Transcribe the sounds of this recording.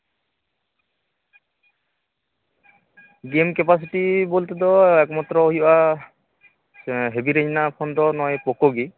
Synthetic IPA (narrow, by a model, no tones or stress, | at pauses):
ɡemkɛpas̬itibolt̪ɛd̪ɔɛkmat̪ɾɔoɦiba | ɦebiɾeɲinapʰɔnd̪ɔnɔjpɔkoɡi